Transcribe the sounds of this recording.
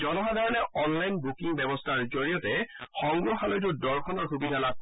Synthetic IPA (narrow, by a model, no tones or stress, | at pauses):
zɔnɔɦadʱaɹɔnɛɔnlajnbukiŋbɛbɔstʰaɹzoɹijɔtɛxɔŋɡɹɔxalɔjt̬ʊdɔɹkʰɔnɔɹxubidʱala